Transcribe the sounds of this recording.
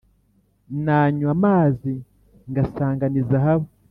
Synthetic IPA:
naːɲuamaːzi | ŋɡasaːŋɡanizaɦaβo

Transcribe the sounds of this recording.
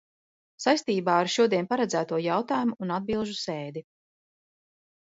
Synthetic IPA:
sajst̪iːbaːaɾʃuɔd̪iɛpaɾɛd̪zæːt̪uɔjawt̪aːjumuːnad̪̚bilˠʒuseːd̪i

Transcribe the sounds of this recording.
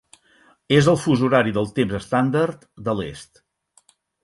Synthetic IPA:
ezəlˠfuzuɾaɾiðəlˠt̪emzəst̪and̪əɾt̪d̪əlḛst̪

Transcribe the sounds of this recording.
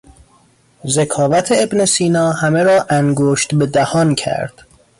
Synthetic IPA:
zekʰɒːvæt̪ʰeebnesiːnɒːhæme̞ɾɒːʔæŋɡoːʃt̪be̞d̪æhɒːncʰæ̰ɾd̪̥

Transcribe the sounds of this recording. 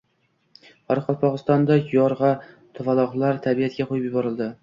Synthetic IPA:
ɑɾqʰɑlˠpʰɒʁɨst̪ɒnd̪ɑjɒɾʁɑ | t̪ʰʊvɑlˠɒʁlˠɑɾt̪ʰæbiat̪̚ɡʲɛqʰʊjɪpjɪbɒɾɨlˠd̪ɪ

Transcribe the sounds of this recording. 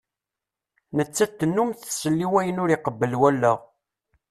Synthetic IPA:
nət͡sːæt̪ːənːumθsəlːiwæjənʊɾiqəbːəlwælːəʁ

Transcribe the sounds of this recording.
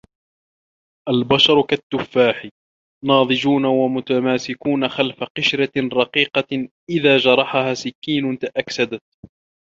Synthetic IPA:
ʔalbɑʃɑɾˤkat̪ːʊfːaːħi | nɑːðˤɨd͡ʒuːnawamʊt̪amaːsɪkuːnaxalfaqɪʃɾaɾˤɑqiːqɑʔɪðaːd͡ʒɑɾˤɑħahaːsɪkːiːnʊnt̪aʔaksad̪at̪̚

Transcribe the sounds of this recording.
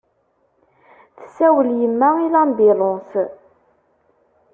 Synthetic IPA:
θə̥sːæwəljəmːæilæmbilˤos

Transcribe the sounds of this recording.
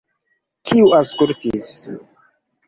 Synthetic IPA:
kʰiuaskultis

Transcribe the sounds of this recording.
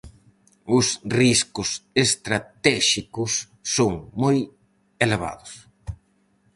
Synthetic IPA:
ʊsriskʊsest̪ɾat̪ɛʃikʊsː | oŋmoj | eleβ̞a̰ðʊs

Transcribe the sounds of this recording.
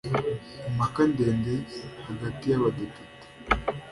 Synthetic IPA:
makandeːndehaɡatijaβadepite̥

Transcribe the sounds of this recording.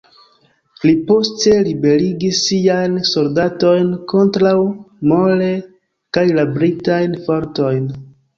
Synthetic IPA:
lipo̞ste̞libe̞ɾiɡisːiajnso̞ldato̞jnko̞ntɾawmole̞ | kajlabɾitajnfoɾto̞jn

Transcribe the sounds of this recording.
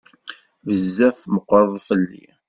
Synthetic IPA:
vəzːæθməqːɾˤəðˤfəlːḭ

